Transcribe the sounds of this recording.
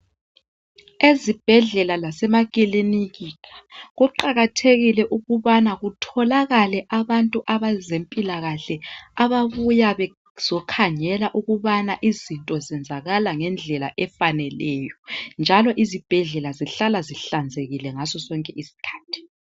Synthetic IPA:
ezib̥ʱɛɮɛlalasɛmaɣʼiliniɣikʰḁɣuǃaɣatʰeɣilɛʔuɣuβanaɣutʰɔlaɣalɛʔaβantʼuʔaβazempʼilaɣaɬɛaβaβujaβɛ | z̥ɔkʰaɲɛlaʔuɣuβanaʔizintʼɔzɛnd͡zʱaɣalaŋɛnd͡ɮʱɛla̰ʔɛfanɛlɛːjɔnd͡ʒʱalɔʔizib̥ʱɛɮɛlaziɬalaziɬand͡zʱeɣilɛŋasɔsɔŋkʼɛʔisi̥kʰḁːtʰi̥

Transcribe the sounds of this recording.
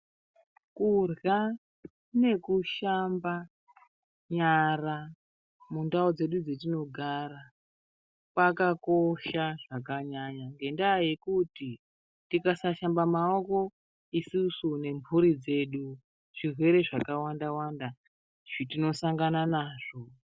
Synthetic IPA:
kurɡa | ne̞kuʃamba | ɲara | mundaod͡ze̞ɗud͡zetino̞ɡʱaɾa | pakako̞ʃaʐakaɲaɲaŋɡe̞ndaːje̞kuti | tikasaʃambamaoko̞ | isusune̞mbuɾid͡ze̞ɗu | ʐ̥irwe̞ɾe̞ʐakawandawanda | ʐ̥itino̞saŋɡananaːʐ̥o̞

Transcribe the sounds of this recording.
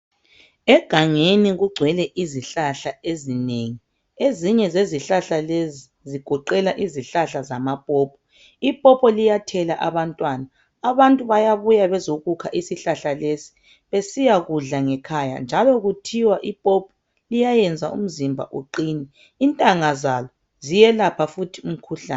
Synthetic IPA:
ɛɡ̥ʱaŋeniɣuɡ͡ǀʱwɛlɛʔiziɬaɬaezineːŋi | eziɲɛzeziɬaɬalezi | ziɡ̥ʱɔǃɛlaʔiziɬaɬazamapʼɔːpʰɔ̥ | ipʼɔpʰʼɔlijatʰɛlaʔaβantʼwaːnaː | βantʼuβajaβujaβɛzoɣukʰaʔisiɬaɬalesi̥ | βesijaɣuɮaŋɛkʰaja̰nd͡ʒʱalɔɣutʰiwaʔipʼɔpʰɔ̥ | lijajɛnd͡zʱaʔṵm̩zimbʱa̰ʔuǃiːniː | ntʼaŋazalɔ | zijɛlapʰafutʰium̩kʰuɬa̰ːn

